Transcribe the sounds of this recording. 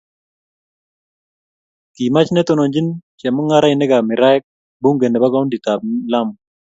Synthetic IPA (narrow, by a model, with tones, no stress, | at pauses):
ki˨ma˦t͡ʃnɛ˦t̪o˨no˨ɲd͡ʒi˦nt͡ʃɛ˨mɔ˦ŋa˦ɾa˦ɪ˨nɪ˦ɡa˨mɪ˨ɾa˦ɛ˦k̚ | bu˦ŋɡe˨ne˨ba˦ɡɔ˦ndi˨ta˨p̚la˦m